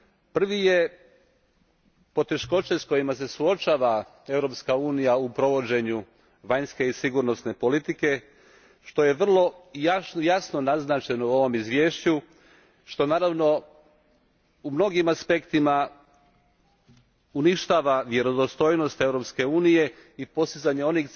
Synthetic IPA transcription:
pr̩ʋije̞ | po̞t̪e̞ʃko̞t͡ɕesko̞jimas̬e̞suo̞t͡ʃaːʋa | e̞ʋɾo̞ːpskauːnijaupɾo̞ʋo̞d͡ʑe̞ɲu | ʋaɲske̞isiɡuɾno̞sne̞po̞lit̪ike̞ | ʃt̪o̞je̞ʋr̩lˠo̞jajasno̞naznaːt͡ʃe̞no̞uo̞ʋo̞mizʋje̞ːʃt͡ɕu | ʃt̪o̞naːɾaʋno̞ | umno̞ɡimaspe̞kt̪ima | uniʃt̪aːʋaʋje̞ɾo̞d̪ost̪o̞jno̞st̪e̞ʋɾo̞pske̞uːnije̞ipo̞st̪izaɲeo̞nix

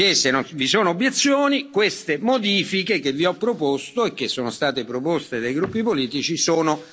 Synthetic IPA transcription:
esːenonvisoːnoːbːjet̪sːjoːnikwest̪emod̪iːfikek̟evːiɔpːɾopost̪oek̟ːesːoːnost̪aːt̪epɾopost̪ed̪ajɡɾupːipoliːt̪it͡ʃisoːno

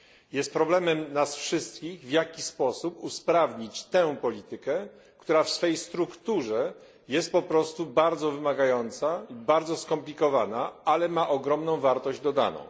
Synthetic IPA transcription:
jɛst̪̚pɾɔblɛmɛmnasfʂɘst̪kʲiɣvjakʲispɔsupuspɾavɲit͡ɕt̪ɛw̃pɔlʲit̪ɘkɛ | kt̪uɾafsfɛjst̪ɾukt̪uʐɛ | jɛst̪̚pɔpɾɔst̪ubaɾd̪zɔvɘmaɡajɔnt̪saibaɾd̪zɔskɔmplʲikɔvanaalɛmaʔɔɡɾɔmnɔ̃w̃vaɾt̪ɔʑd͡ʑd̪ɔd̪a̰nɔ̰̃w̃

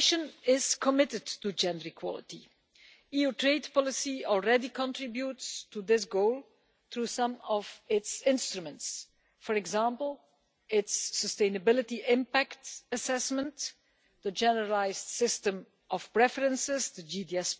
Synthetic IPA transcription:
ʃə̃nɪz̥kʰɔmɪtɨdtud͡ʒɛ̃ndəɹikʰwɔ̰lˠɪ̰tḭ | iutʰɹeɪdpɔlˠɪsiɔlˠɹɛdikʰɔ̃ntɹɪbjutstuðɪs̬ɡoʊlˠ | θɹusʌ̃mɔvɪtsɪ̃nstɹumə̃nts | fɔɹɛɡzãmpəl̩ˠ | ɪtsːəstẽɪ̃nəbɪlɪtiɪ̃mpæktəsɛsmə̃nt | ðəd͡ʒɛnəɹəlaɪzdsɪstə̃m | ʔɔfpɹɛfəɹə̃nsɪzdəd͡ʒidiɛs

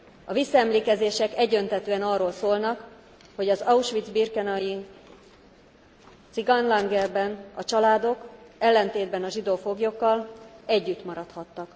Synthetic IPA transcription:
ɒvisːɒɛmleːkɛzeːʃɛkɛɟø̞nt̪ɛt̪øːɛnɒroːlsoːlnɒk | ho̞ɟɒzɒuʃʋid̪zbirkɛnɒji | t̪siɡɒnlaŋɡɛrbɛnɒt͡ʃɒlaːd̪o̞kɛlːɛnt̪eːd̪bɛnɒʒid̪oːfo̞ɡjo̞kːɒlɛɟːyt̪mɒɾɒt̪hɒt̪ːɒk

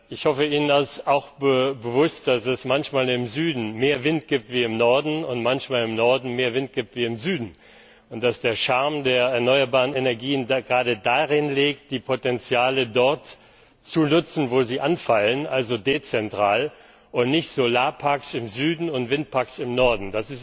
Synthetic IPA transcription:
ʔɪçhɔfəiːnənasaʊxb̥əbəvʊst̚d̥asɛsmançmaːlɪmzyːdn̩meːɐvɪnt̚ɡ̥iːp̚tv̥iːɪmnɔɐdn̩ʊntmançmaːlɪmnɔɐdn̩meːɐvɪnt̚ɡ̥iːp̚tv̥iːɪmzyːdn̩ | ʊnt̚d̥asd̥eːɐʃaɐmdeːɐɛɐnɔʏɐbaːʁ̞ənenɛɐɡiːənɡʁaːdədaʁɪnleːk̚t̚d̥iːpʰotɛnt͡sjaːlədɔɐt | t͡sunʊt͡sn̩voːziːʔanfalənʔalzodeːt͡sɛntʁ̥aːl | ʔʊntnɪçtz̥olaːpʰaɐksɪmzyːdn̩ʊntv̥ɪnt̚pʰaɐksɪmnɔɐdn̩d̥asɪs

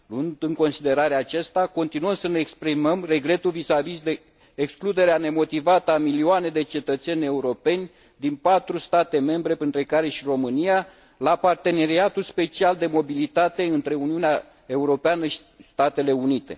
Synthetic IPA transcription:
luɨnd̪ɨŋko̞nsid̪e̞ɾaɾeat͡ʃest̪ako̞nt̪inuəmsəne̞ːkspɾiməmre̞ɡɾe̞t̪uvisavizd̪eː | ksklud̪e̞ɾeane̞mo̞t̪ivat̪əamilioane̞d̪e̞t͡ʃe̞t̪ət̪se̞nʲe̞uɾo̞pe̞nʲ | d̪inpat̪ɾust̪at̪e̞me̞mbɾe̞pɾint̪ɾe̞kaɾe̞ʃiro̞mɨnija | lapart̪e̞ne̞ɾiat̪ulspe̞t͡ʃiald̪e̞mo̞bilit̪at̪eɨnt̪ɾe̞uniunea | e̞uɾo̞peanəʃi̥ | st̪at̪e̞le̞unit̪e̞̰

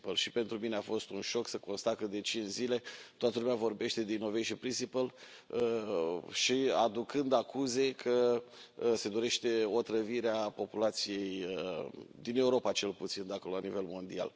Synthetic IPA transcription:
pəlʃipe̞nt̪ɾumineafo̞st̪unʃo̞ksəko̞nst̪akəd̪e̞t͡ʃint͡ʃzile̞t̪oat̪əlumavo̞rbe̞ʃt̪e̞d̪inːo̞vejʃipɾinsipəl | ə | ʃia̰d̪ukɨnd̪akuze̞kʰə | se̞d̪o̞ɾe̞ʃt̪e̞o̞t̪ɾəviɾeapo̞pulat̪sije̞jəd̪ine̞uɾo̞pat͡ʃe̞lput̪sind̪akololanive̞lmo̞nd̪ia̰l

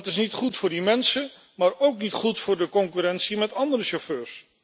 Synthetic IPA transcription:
tɪsnitχutfʊːɹdimɛnsə | maːɹowknitχutfʊːɹdəkɔŋkyɾɛnsimɛtɑndəɾəʃoføːɹs

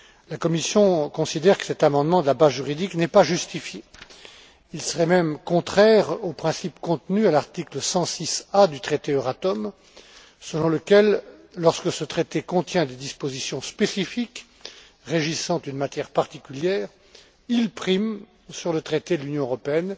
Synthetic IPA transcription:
lakɔmisjɔ̃kɔ̃sid̪ɛʁkə̥sɛt̪amɑ̃d̪mɑ̃d̪əlabazʒyʁid̪iknɛpaʒyst̪ifje | ilsəʁɛmɛmkɔ̃t̪χɛʁopχɛ̃sipkɔ̃t̪nyalaʁt̪ikləsɑ̃sisad̪yt̪χet̪eøʁat̪ɔm | səlɔ̃ləkʲɛlːɔʁskəsət̪χet̪ekɔ̃t̪jɛ̃d̪ed̪ispozisjɔ̃spesifik | ʁeʒisɑ̃t̪ynmat̪jɛʁpaʁt̪ikʲyljɛːʁ | ilpχim | syʁlət̪χet̪ed̪əlynjɔ̃øʁɔpeɛn

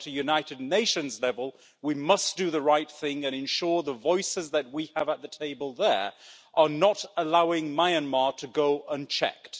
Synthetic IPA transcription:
ɾɨjʉnaɪɾɨdⁿneɪʃɨ̃nzlɛvəlˠ | wimʌsd̥ɨðəɹaɪt̪̚θɪ̃ŋɨ̃ñɨ̃nʃɔɹðəvɔɪsɨzðɨt̚wiəvət̪̚ðɨtʰeɪbəlˠðə˞ʔə˞nəɾəlaʊɪ̃ŋmaɪɨ̃nmɑɹɾɨɡoʊʔə̃nt͡ʃʰɛ̰k

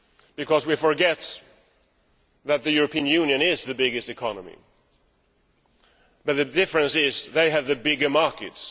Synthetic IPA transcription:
b̥ɨkʰʌzwifə˞ɡɛt̪̚ | ðɨt̪̚ðɨjʊɹɨpʰĩə̃njʉ̃njɨ̃nɪzðɨbɪɡɨstɨkʰɑnəmḭ | b̥ʌt̪̚ðɨdɪfɹɨ̃nsɪzðeɪɨvðɨbɪɡə˞mɑɹkɨ̰ts

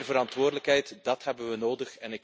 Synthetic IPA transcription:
rvəɾɑntʋʊːrdələkɦɛjtdɑtɦɛbənʋənoːdəχɛnɪk

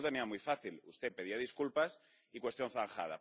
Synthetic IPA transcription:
t̪e̞niamujfaθilust̪epe̞ðiaðiskulpas | ikwe̞st̪jo̞n̟θaŋxa̰ða̰

